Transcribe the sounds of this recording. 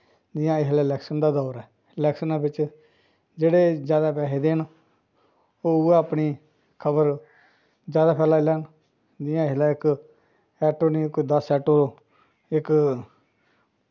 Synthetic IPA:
d̪ɪjãːɪɦlaːɪlɛːksənd̪aːd̪ɔːɾɛː | ɪlɛːksənaːbɪt͡ʃ | d͡ʒeːɽeːd͡ʒjaːd̪aːpɛːɦeːd̪eːn | oːʊeːəpniː | kʰəbəɾ | d͡ʒjaːd̪aːpɛːlaːlɛːn | d̪ɪjãːɪɦlaːɪk | ɛːʈoːniːkd̪əsɛːʈoː | ɪk

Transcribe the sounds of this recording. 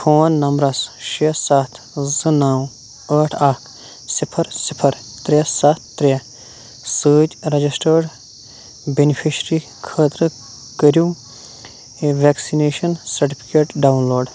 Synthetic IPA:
fʰoːnːɐmbɾɐsʃesat̪ʰ | zɨnaːw | əːʈʰaːkʰ | sɪpʰəɾsɪpʰɐɾ | t̪ɾesat̪̚ʰːɾe | səːd͡ʒɾɐd͡ʒisʈəɾɖ | benipʰiʃɾi | kʰəːt̪ɾə | kəɾjũ | ʋeːksineːʃɐnsɐɾʈipʰi̥keːʈɖaːwnloːɖ

